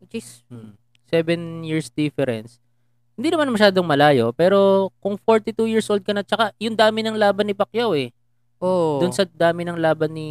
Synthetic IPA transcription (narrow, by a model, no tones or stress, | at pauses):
t͡ʃis̩ | sɛvɛnjiɹsd̪ɪfɛɾɛ̰ns | hɪnd̪inɐmanmɐʃaːd̪oŋmɐlaːjo̞pɛːɾo̞kʊŋfo̞ɹt̪it̪uːjiɹsʔold̪̚kɐnɐt͡ʃɐkajʊŋd̪aːmɪnɐŋlaːbɐnːɪpɐkjawɛ | ʔod̪ʊnsɐd̪aːmɪnɐŋlaːbɐnːɪ